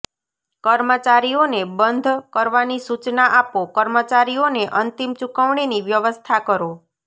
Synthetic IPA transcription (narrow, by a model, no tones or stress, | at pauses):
kəɾmət͡ʃaɾionebənd̪ʱkəɾʋanisut͡ʃnaʔapokəɾmət͡ʃaɾioneʔənt̪imt͡ʃukəʋɽ̃iniʋjəʋəst̪ʰakəɾo